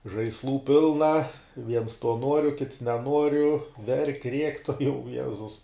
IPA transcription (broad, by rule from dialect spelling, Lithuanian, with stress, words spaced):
ʒɐɪsˈlˠuː ˈpʲɪlˠnɐ ʋʲiɛns toː ˈnuɔrʲʊ kʲɪts nʲɛˈnuɔrʲʊ ʋʲɛrʲkʲ rʲiɛkʲ tuɔˈjɛʊ ˈjæːzʊs